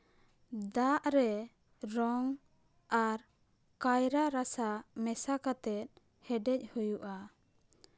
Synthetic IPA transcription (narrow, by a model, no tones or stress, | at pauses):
d̪aʔɾɛ | ɾɔŋ | aɾ | kajɾaɾasamɛsakat̪ɛt̪̚ | hɛɖɛc̚ˀhujuʔa